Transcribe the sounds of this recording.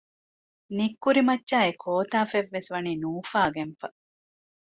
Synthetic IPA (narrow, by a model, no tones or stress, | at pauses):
nikːuɾimɐtːʃaːekʰoːt̪aːfeʋːesʋɐniːnuːfaːɡenfɐ